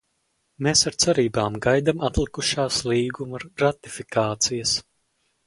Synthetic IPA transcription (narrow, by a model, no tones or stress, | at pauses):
meːsaɾt̪sɛɾiːbaːmɡajd̪amat̪lˠikuʃaːslˠiːɡumaɾːat̪i̥fikaːt̪sijɐs